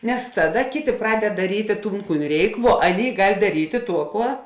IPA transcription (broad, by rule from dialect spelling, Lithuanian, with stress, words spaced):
nʲɛs ˈtɑːˌdɐ ˈkʲeːˌtʲeː ˈprɑːdʲɛt dɐˈrʲiːtʲeː ˈtuːn ˈkuːn ˈrʲɛɪk ʋuɔ ˈɑːˌnʲeːɪ ˈɡɐlʲ dɐˈrʲiːtʲeː ˈtuɔ ˈkuɔ